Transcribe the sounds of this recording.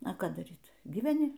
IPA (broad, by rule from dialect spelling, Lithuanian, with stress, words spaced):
ɐ ˈkɑː dɐˈrʲiːt ɡʲiːʋʲɛˈnʲɪ